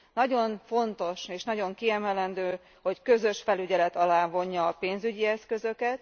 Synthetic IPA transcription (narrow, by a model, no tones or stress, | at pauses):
nɒɟo̞nfo̞nt̪o̞ʃeːʃnɒɟo̞ŋkiɛmɛlɛnd̪øː | ho̞ckø̞zø̞ʃfɛlyɟɛlɛt̪ɒlaːvo̞ɲːɒːpeːnzyɟiɛskø̞zø̞kɛt̪